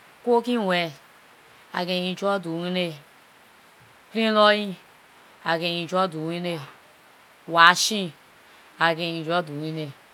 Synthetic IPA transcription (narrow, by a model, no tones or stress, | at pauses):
kokĩwɛ | a̰ɡeĩd͡ʒoduwine | pɾĩlojĩ | aɡeĩd͡ʒoduwine | waʃĩ | aɡeĩd͡ʒoduwine